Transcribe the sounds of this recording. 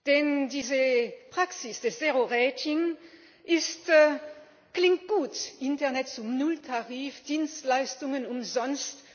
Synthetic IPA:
d̥ɛndiːzəpʁ̥aksɪsd̥ɛsz̥eːʁoʁɛːtʰɪŋ | ʔɪst | klɪŋt̚ɡ̥uːtʔɪntɛɐʁnɛtt͡sʊmnʊltʰaʁiːfd̥iːnstlaɪstʊŋənʊmzɔnst

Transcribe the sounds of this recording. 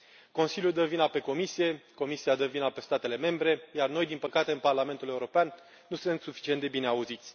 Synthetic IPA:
ko̞nsiljud̪əvinape̞ko̞misije̞ko̞misiad̪əvinape̞st̪at̪e̞le̞me̞mbɾe̞jarno̞jd̪inpəkat̪e̞ɨnparlame̞nt̪ule̞uɾo̞peanː | usɨnt̪sufi̥t͡ʃient̪d̪e̞bine̞auzit̪sʲ

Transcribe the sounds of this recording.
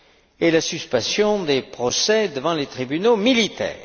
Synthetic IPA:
elasyspɑ̃sjɔ̃d̪epχɔsɛd̪əvɑ̃let̪χibynomilit̪ɛ̰ːʁ

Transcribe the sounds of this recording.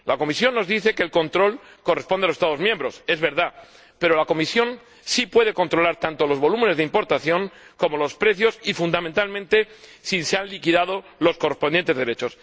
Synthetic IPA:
lako̞misjo̞nːo̞zðiθe̞ke̞ːlko̞nt̪ɾo̞l | ko̞re̞spond̪aosest̪aðo̞zmje̞mbɾo̞se̞zβe̞ɾða | pe̞ɾo̞lako̞misjo̞n | sipwe̞ð̞e̞ko̞nt̪ɾo̞laɾt̪ant̪o̞lo̞zβo̞lume̞nezðeimpo̞ɾt̪aθjo̞ŋko̞mo̞lo̞spɾe̞θjo̞sifund̪ament̪almẽnt̪e̞siseanlikiðað̞o̞ | lo̞skorespond̪je̞nt̪e̞zðe̞ɾe̞t͡ʃo̞s

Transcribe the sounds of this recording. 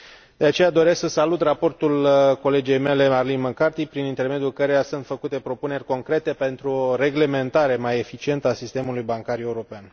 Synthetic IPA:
d̪e̞at͡ʃe̞jad̪o̞ɾesksəsalut̪rapo̞rt̪ulko̞le̞d͡ʒe̞jme̞le̞marlinməkart̪ipɾinint̪e̞rme̞d̪julkəɾe̞jasunt̪fəkut̪e̞pɾo̞pune̞rʲko̞ŋkɾe̞t̪e̞pe̞nt̪ɾuoɾe̞ɡle̞me̞nt̪aɾe̞maje̞fit͡ʃie̞nt̪əasist̪e̞mulujbaŋkaɾʲje̞uɾo̞pean

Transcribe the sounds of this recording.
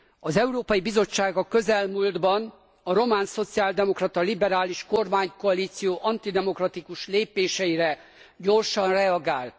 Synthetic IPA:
ɒzɛuɾoːpɒjibizo̞t͡ʃːaːɡɒkø̞zɛlmuːld̪bɒn | ɒɾo̞maːnso̞t̪siaːld̪ɛmo̞krɒt̪ɒlibɛɾaːliʃko̞rmaːɲkoɒliːt̪sijoːʔɒnt̪id̪ɛmo̞krɒt̪ikuʃleːpeːʃɛjiɾɛ | ɟo̞rʃɒnrɛɒɡaːlt̪

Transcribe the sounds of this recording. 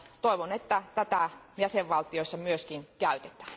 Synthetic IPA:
t̪oˑiʋonet̪ːæt̪æt̪æjæseʋʋɑlt̪ioisːɑmyøskinkæyt̪e̥t̪ˑæ̥ː

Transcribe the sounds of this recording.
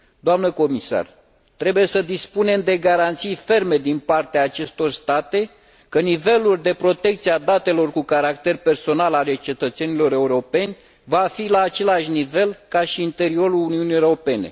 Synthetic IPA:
d̪oamnəko̞misa̰r | t̪ɾe̞buje̞səd̪ispune̞md̪e̞ɡaɾant̪sijfe̞rme̞d̪inpart̪eaːt͡ʃe̞st̪o̞rst̪at̪e̞ | kənive̞luld̪e̞pɾo̞t̪e̞k̚t̪siad̪at̪e̞lo̞rkukaɾakt̪e̞rpe̞rso̞nalale̞t͡ʃe̞t̪ət̪se̞nilo̞ɾe̞uɾo̞pe̞nʲ | vafilaːt͡ʃe̞laʃnive̞lkaʃiːnt̪e̞ɾio̞ɾuluniunijeoɾope̞ne̞̰

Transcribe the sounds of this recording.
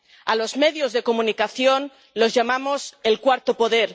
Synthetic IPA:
a̰lo̞zmeðjo̞zðe̞komũnikaθjo̞n | lo̞zʝamamo̞se̞lkwaɾt̪opo̞ðeɾ

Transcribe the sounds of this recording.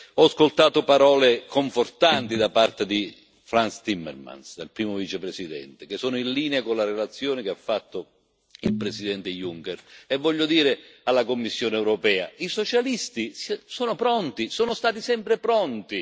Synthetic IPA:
ɔskolt̪aːt̪opaɾɔːlekʰoɱfort̪ant̪id̪apart̪ed̪i | fɾanst̪imːḛrma̰nsd̪elpɾiːmovit͡ʃepɾesid̪ɛ̰nt̪ekesːɔːnʊinliːneakonlaɾelat̪sːjoːnɪkeafːat̪ːo | ilpɾesid̪ɛnt̪ejuŋkɛrɛvːɔʎːʊd̪iːɾealːakomːisːjoːneɛwɾɔpɛːa̰isot͡ʃalist̪issoːnopɾɔnt̪isoːnʊst̪aːt̪isɛmpɾepɾɔnt̪i

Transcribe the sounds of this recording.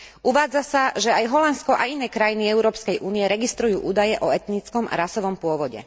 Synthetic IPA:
ʔuʋaːd͡zasaʒɛajɦɔlanskɔʔainɛːkɾajiniɛʊɾɔːpskɛjʔuːniɛɾɛɡist̪ɾujuːʔuːd̪ajɛʔɔɛt̪nit͡skɔma̰ɾasɔʋɔmpʊɔʋɔɟɛ̰

